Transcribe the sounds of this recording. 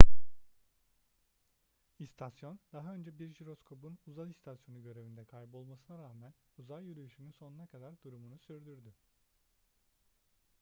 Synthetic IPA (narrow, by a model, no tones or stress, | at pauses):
ist̪ʰasjo̞nd̪̥aɦaø̞nd͡ʒɛbiɾʒiɾo̞skʰo̞bunuzalˠist̪ʰasjo̞nuɟø̞ɾe̞vind̪ɛkʰajbɯo̞lˠmasɯnaɾaːmænuzajyɾyjyʃynynso̞nunakʰad̪aɾd̪uɾumunusyɾd̪yɾd̪y